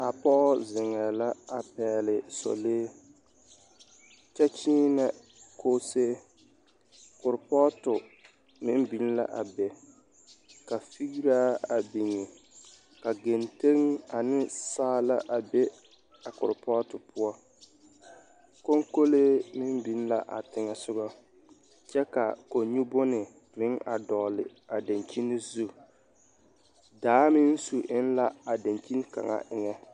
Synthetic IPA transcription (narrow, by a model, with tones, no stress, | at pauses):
a˨pɔ˦zɪ˨ŋɛ˨la˦a˨pɛː˨lɪ˨sɔ̰˨leː˦ | t͡ʃɛ˦t͡ʃiː˦nɛ˨ | koː˦seː˦ | kʊ˨ɾpɔ˦tʊ˨ | mɪ˦m˦bi˨n˦la̰˦ʔa˨bɛ˨ | ka˨fi˦ɡi˦ɾaː˦a˨bi˨ŋɛ˨ | ka˨ɡe˨nte˦ŋa˨nɪ˦saː˦la˦ʔa˨bɛ˦ | a˨kʊ̰˨ɾpɔ˦tɪ˨pʊ˦ɔ˦ | ko˦ŋko˦le˦mɪ˦mbi˨˦n˦la˦ʔa̰˨tɪ˨ŋɛ˨sʊ˦ɡɔ˦ | t͡ʃɛ˦ka̰˨ko˨ɲu˦bʊ˦nɪ˨ | mɪ˦ŋʔa̰˨dɔ˨lɪ̰˨a˨da˨nt͡ʃi˦nɪ˦zu˦ | daː˨˦mɪ˦n˦su˨ʔɪ˦n˦la˦a˨da˨nt͡ʃi˦n˦ka̰˨ŋa̰˦ʔɪ˨ŋɛ˦